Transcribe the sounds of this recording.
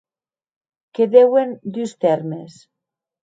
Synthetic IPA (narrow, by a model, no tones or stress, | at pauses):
keðewend̪yst̪eɾmes